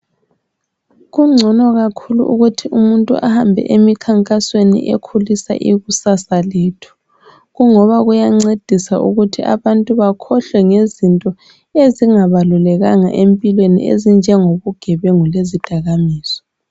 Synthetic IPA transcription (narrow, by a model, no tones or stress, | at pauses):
ɣuŋ͡ǀʱɔnɔɣakʰuluʔuɣutʰiʔumuntʼuʔa̰hambʱɛ̰ʔemikʰaŋkʼaswenḭʔḛkʰulisa̰ʔiɣusasaleːtʰu̥ | ɣuŋɔβaɣujaŋ͡ǀed̥ʱisaʔuɣutʰiʔa̰βantʼuβakʰɔɬwɛŋezintʼɔ | eziŋaβalulɛɣaŋa̰ʔempʼilwenḭʔḛzind͡ʒʱɛŋoβuɡ̥ʱɛβɛŋulezid̥ʱaɣamiːsɔ̥